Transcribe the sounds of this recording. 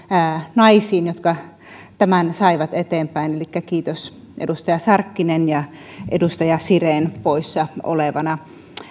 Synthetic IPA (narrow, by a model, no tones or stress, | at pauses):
nɑisiːnjot̪kɑ | t̪æmænsɑiʋɑt̪et̪eːmpæinelikːækiːt̪os | ʔḛdust̪ɑjɑsɑrkːinenjɑʔḛdust̪ɑjɑsireːnpoisːɑo̰leʋɑnɑ